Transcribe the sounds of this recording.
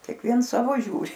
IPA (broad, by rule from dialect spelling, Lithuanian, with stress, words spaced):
kʲeːkˈʋʲiɛns ˈsɑːʋoː ˈʒʲuːrʲɪ